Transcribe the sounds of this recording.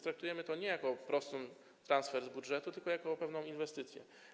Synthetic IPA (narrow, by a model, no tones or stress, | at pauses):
t̪ɾak̚t̪ujɛmɘt̪ɔɲɛjakɔpɾɔst̪ɘm | t̪ɾansfɛɾzbudʐɛt̪ut̪ɘlkɔjakɔpɛvnɔ̃w̃invɛst̪ɘt̪sʲjɛ̰